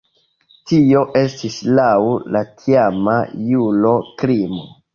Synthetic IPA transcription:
tio̞ʔe̞stislawlatʰiamajulokɾimo̰

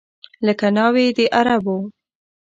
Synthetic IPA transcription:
ləkanɑwed̪əʔaɾabo

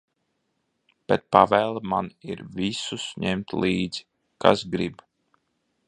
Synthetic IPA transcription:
b̥ɛt̪̚pavæːlˠmaniɾvisusɲɛmt̪lˠiːd̪z̥i̥ | ka̰sɡɾib

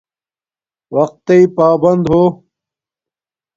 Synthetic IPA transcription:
wɐq̚t̪ːeipaːbɐnd̪ɦoː

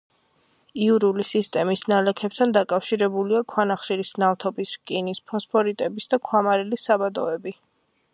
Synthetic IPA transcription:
iuɾulisist̪ʼɛmisnalɛkʰɛp̚t̪ʰand̪akʼafʃiɾɛbuliakʰwanaχʃiɾisnavt̪ʰɔbiskʼinispʰɔspʰɔɾit̪ʼɛbisd̪akʰwamaɾɛlisabad̪ɔɛbi

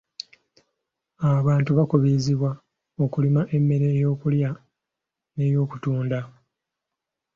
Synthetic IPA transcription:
aβaːntuβakuβiziβwa | o̞kulimaʔe̞mːe̞ɾe̞ːjo̞ːkulja | ne̞ːjo̞ːku̥tuːnda

